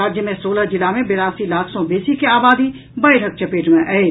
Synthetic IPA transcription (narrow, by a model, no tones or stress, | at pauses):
aːd͡ʒjəmẽsoːləd͡ʒɪlamẽbeɾaːsilaːkʰsõbeːsikeaːbaːd̪i | bɐelɐk̚t͡ʃʰɐpeːʈmẽʔɐe